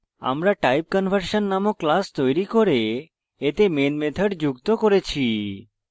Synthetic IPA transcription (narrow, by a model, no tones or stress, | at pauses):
a̰mɾaʈajp̚kənʋəɾʃənːamoklast̪ɔjɾikɔɾeː | t̪emenmet̪ʰəɖd͡ʒuɡt̪okɔɾet͡ʃʰi